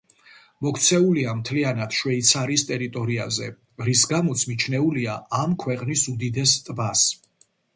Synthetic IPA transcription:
mɔkʰt̪sʰɛuliamt̪ʰlianad̪̥ʃwɛit̪sʰaɾist̪ʼɛɾit̪ʼɔɾia̰zɛ | ɾisɡamɔt̪sʰmit͡ʃʰnɛuliaamkʰwɛqʼnisud̪id̪ɛst̪ʼbas

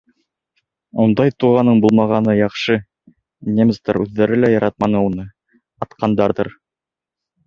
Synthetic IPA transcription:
und̪ɑjt̪uʁɑnɤɴbulˠmɑʁɑnɤjɑχʃɤ | nʲemʲst̪ɑ̰ɾʉðːæɾɘlæjɑɾɑt̪̚mɑnɤunɤ | ɑt̪qɑnd̪ɑɾðɤɾ

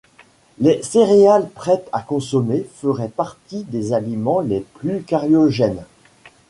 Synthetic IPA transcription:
leseʁealpχɛt̪akɔ̃sɔmefəʁɛpaʁt̪id̪ezalimɑ̃leplykaʁjɔʒɛn

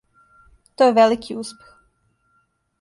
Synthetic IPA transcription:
t̪ojeʋelikʰiuspʲjex

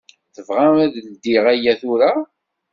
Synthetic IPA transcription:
θəvʁæmæðld̪ːiʁæjːæθʊɾa

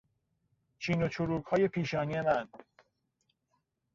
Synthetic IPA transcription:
t͡ʃʰiːnot͡ʃʰoɾuːɡhɒːje̞pʰiːʃɒːnije̞mæn

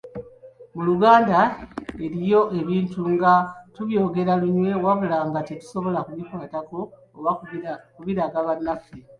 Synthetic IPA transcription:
muluɡaːndae̞ɾijo̞ʔe̞βiːntuŋɡatuβjo̞ːɡe̞ɾaluɲwe̞waβulaŋɡatitu̥so̞βo̞lakuβipwaːtako̞ː | βakuβiɾaɡaβanːafe

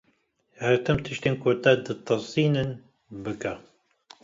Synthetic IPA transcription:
hɛɾt̪ʰɨmt̪ʰɨʃt̪eːnkʰot̪ɐd̪ɨt̪ʰːɨsiːnɨn | bɨka

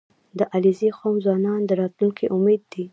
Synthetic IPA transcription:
d̪əʔalizexomzwɑnɑnd̪əɾɑt̪luŋkʰeʔʊmed̪ːi

